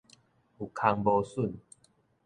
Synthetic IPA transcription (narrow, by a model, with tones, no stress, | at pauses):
u˨kʰa˧ŋbɔ˧su˥˨n